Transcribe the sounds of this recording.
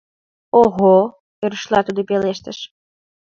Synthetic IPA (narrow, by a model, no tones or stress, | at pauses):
oɣo | eɾəʃlˠɑt̪ud̪opeleʃt̪ə̆ʃ